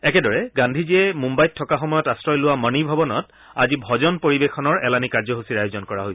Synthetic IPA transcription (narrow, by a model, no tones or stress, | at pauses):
ɛkɛdɔɹɛɡãndʱiziɛmumbajtʰːɔkaxɔmɔjɔtastɹɔjlʊwamənibʱɔbɔnɔt | a̰zibʱɔzɔnpoɹibexʰɔnɔɹɛlanikaɹzɔɦusiɹajozɔnkɔɹaɦojs